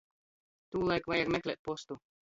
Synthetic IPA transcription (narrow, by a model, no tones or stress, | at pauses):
t̪uːlˠajkvajaɡmʲɛklʲeɛːt̪̚pɔst̪u